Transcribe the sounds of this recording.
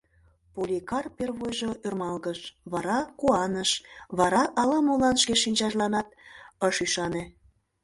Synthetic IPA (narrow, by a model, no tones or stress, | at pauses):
pulʲikɑrperβojʒoørmɑlɣəʃβɑɾɑkuɑnəʃβɑɾɑʔɑlɑmolɑnʃkeʃinʲt͡ɕɑʒlɑnɑt̪̚əʃyʃɑne